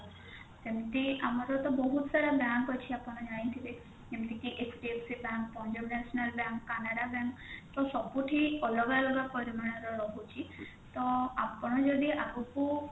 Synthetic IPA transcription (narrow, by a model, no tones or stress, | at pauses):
t̪emt̪iamɔɾɔt̪ɔbɔɦut̪saɾabaŋkɔt͡ʃʰiapɔɽ̃ɔd͡ʒaɽ̃ĩt̪ʰile | d͡ʒemt̪ikiʔekʰʈiepʰsibaŋkpɔ̃d͡ʒɔbnɛsɔnalbjaŋkːanaɽabjaŋkt̪ɔsɔbuʈʰiɔlɔɡalɔɡapɔɾimaɽ̃eɾɔɾɔɦut͡ʃʰi | t̪ɔapɔɽ̃ɔd͡ʒɔd̪iʔaɾuku